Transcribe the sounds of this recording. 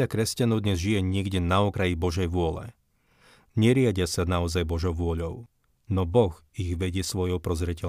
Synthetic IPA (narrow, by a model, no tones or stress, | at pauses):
akɾɛscanɔʊd̪ɲɛzʒijɛɲɛɡɟɛnaɔkɾajibɔʒɛjʋʊɔlɛ̰ | ɲɛɾɪaɟɪasanaɔzajbɔʒɔʊʋʊɔʎɔʊ | nɔbɔɣ | iɣʋɛɟɪɛsʋɔjɔʊpɾɔzɾɛcɛl